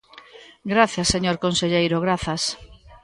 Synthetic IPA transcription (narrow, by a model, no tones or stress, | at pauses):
ɡɾaθjasːeɲoɾkonseʎejɾoɣɾaθɐs